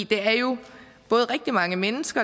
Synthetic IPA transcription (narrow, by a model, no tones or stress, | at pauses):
d̥e̝æɐjo̝ | b̥ɔ̽ːð̞̩ˠʁɛɡ̥̚d̥imɑ̈ŋəmenəsɡ̥ɐ